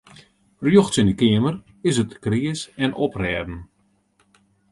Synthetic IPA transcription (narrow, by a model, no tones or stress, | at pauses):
rjoxtsɪndəkɪəmər | ɪsətkriəsɛnʔɔprɛːdn̩